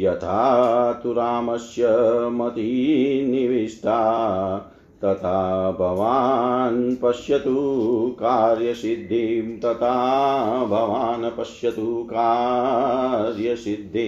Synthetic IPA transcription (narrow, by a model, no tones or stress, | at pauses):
jɐt̪ʰaːt̪uɾaːmɐsjɐmɐt̪iniʋiʂʈ̪ʰaː | t̪ɐt̪ʰaːbʱɐʋaːnpɐʃjɐt̪ukaːɾjɐsid̪ʱːimt̪ɐt̪ʰa | bʱɐʋaːnɐpɐʃjɐt̪ukaː | ɾjɐsid̪ʱːi